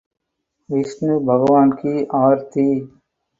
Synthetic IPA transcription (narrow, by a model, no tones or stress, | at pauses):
ɪsneːbʱəɡʋaːnkiːʔaːɾt̪iː